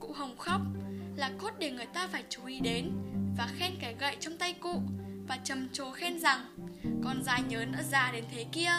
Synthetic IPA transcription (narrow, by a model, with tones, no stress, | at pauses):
kṵ˧˥ɦə˨˩wŋ͡mxa˦˥wk͡p̚laː˨˩ko˦˥t̚ɗe˧˩ŋɨ˨˩əjt̪aː˧faː˧˩jt͡ɕu˨˦ʔi˨˦ɗe˨˦nvaː˨˩xɛ˧nke˨˩˦ɣə̰˧˨jt͡ɕɔ˧wŋ͡mt̪a˧jkṵ˧˨vaː˨˩t͡ɕə˨˩mt͡ɕo˨˦xɛ˧nza˨˩ŋkɔ˨˩nzaː˨˦jɲəː˨˦nʔə̰˧˥zaː˨˩ɗe˨˦nt̪ʰe˨˦ki˧ə